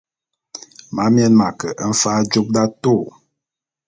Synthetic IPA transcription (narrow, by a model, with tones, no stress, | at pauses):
ma˨˦mjɛ˦nma˨kə˨ʔn̩˦fa˦d͡ʒu˦p̚da˦to˦˨